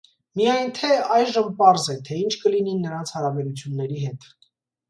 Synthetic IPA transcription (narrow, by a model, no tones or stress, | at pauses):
mijɑjnt̪ʰɛɑjʒəmpɑɾzɛt̪ʰɛint͡ʃʰkəlininəɾɑnt͡sʰhɑɾɑbɛɾut͡sʰjunːɛɾiɦɛt̪